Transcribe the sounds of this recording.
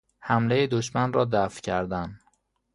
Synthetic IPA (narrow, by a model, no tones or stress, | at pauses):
hæmlejed̪oʃmænrɒːd̪æfcʰæɾd̪æn